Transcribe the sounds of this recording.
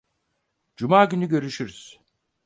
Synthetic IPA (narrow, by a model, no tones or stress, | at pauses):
d͡ʒumaːɟʲynyɟø̞ɾyʃyɾyz̥